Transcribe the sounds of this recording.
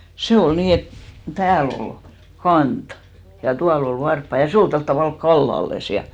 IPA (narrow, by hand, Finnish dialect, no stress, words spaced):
se ol niː et tæːl ol kɑnt jɑ tuɑl ol ʋɑrpːɑ jɑ se ol tolt tɑʋɑˑlk kɑlːɑlːes jɑ